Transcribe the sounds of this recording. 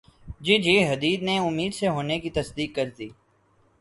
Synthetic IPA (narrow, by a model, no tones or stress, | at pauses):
d͡ʒiːd͡ʒiːɦɐd̪iːd̪neʊmːiːd̪seɦoːnekit̪ɐsd̪iːkːəɾt̪iː